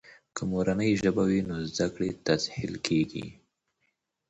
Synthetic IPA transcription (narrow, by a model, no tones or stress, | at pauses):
kəmoɾanəjʒəbawinozd̪akɽet̪azhɪ̰lkʰeɡḭ